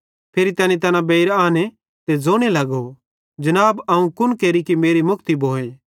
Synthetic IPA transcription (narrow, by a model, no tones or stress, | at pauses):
pʰeːɾit̪ɐːnĩt̪ɐnãbeɪɾaːne | t̪ed͡zoːɽ̃elɐɡo | d͡ʒɐnaːbɐũkʊnkeːɾikimeːɾimʊkt̪iboːe